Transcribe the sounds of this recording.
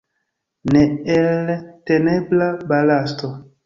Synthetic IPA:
neelteneblabalasto

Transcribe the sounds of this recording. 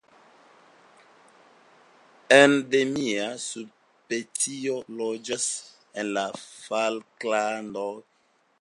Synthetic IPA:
endemiasu | petiolod͡ʒas | enlafalklando

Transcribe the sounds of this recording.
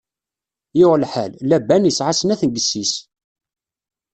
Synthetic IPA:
jɪʁəlħællæbænjəsʕasənæθənɡəsːis

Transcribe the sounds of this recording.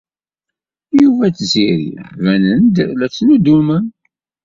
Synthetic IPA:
juvæt͡sziɾḭvænənd̪læt͡sːnud̪umən

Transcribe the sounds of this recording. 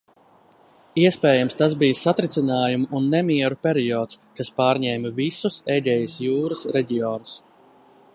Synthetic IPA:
iɛspɛːjamst̪as̬bijsat̪ɾit̪sinaːjumuʔunːɛmiɛɾupʲɛɾiɔːt̪skaspaːɾɲɛːmɐvisusɛʎʲɛjɐsjuːɾɐsɾɛɟʲiɔːnus

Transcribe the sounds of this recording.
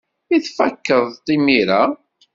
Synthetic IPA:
iθfækːəðˤt̪ˤːimiɾa

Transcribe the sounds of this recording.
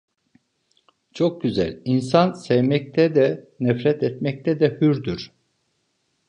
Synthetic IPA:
t͡ʃʰo̞k̚ɟyzæ̰lʲinsansɛvmɛc̚t̪ʰɛd̪ɛ | nɛfɾɛt̪ɛt̪mɛc̚t̪ʰɛd̪ɛhyɾd̪yɾ̥

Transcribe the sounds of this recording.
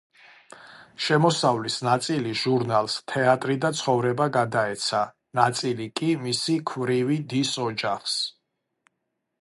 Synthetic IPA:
ʃɛmɔsavlisnat̪sʼiliʒ̥uɾnalˠst̪ʰɛat̪ʼɾid̪at̪sʰχɔvɾɛbaɡad̪aɛt̪sʰa | nat̪sʼilikʼimisikʰvɾivid̪isɔd͡ʒaχs

